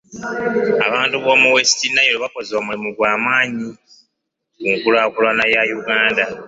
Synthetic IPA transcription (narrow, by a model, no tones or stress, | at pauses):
a̰βaːntuβomuwesi̥tinːajeloβako̞zewamulimuɡwaːmaːɲi | kuŋkulaːkulwanajajuɡaːnda